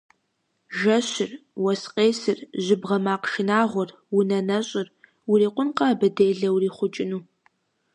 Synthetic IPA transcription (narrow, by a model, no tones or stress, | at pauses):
ʒɐɕɪrwɐsqʼeːsɨrʑɪbʁɐmaːqʃɪnaːʁʷɔr | wʊnɐnɐɕʼɪr | wʊriːqʷʊnqɐbɐdeːjɮɐwriːχʷʊt͡ʃʼɪnuː